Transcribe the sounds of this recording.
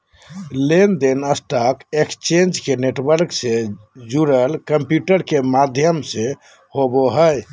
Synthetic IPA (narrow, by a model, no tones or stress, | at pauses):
lend̪enəsʈakekst͡ʃend͡ʒkeneʈwəɾksed͡ʒuɾəlkəmpjuʈəɾkemad̪ʱjəmsẽ | hoboɦəj